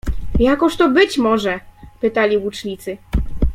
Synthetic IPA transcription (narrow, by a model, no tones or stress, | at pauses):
jakɔʂt̪ɔbɘt͡ɕmɔʐɛpɘt̪alʲiwut͡ʂɲʲit̪sɘ